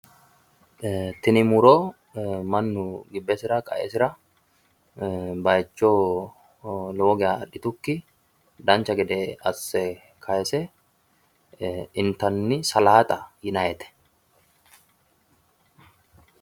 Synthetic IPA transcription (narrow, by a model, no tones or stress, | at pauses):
t̪ɪnɪmʊɾoː | mɐnːʊɡɪbːɛsɪɾɐkʼɐ̰ʔɛ̰sɪɾɐ | bɐjt͡ʃːoː | lo̞ːɡɛaɐᶑɪt̪ʊkːɪ | d̪ɐnt͡ʃɐɡɛd̪ɛɐsːɛ | kʰɐjɛsɛ | ɪnt̪ɐnːɪsɐlaːt̪ʼɐjɪnɐjɛt̪ɛ̥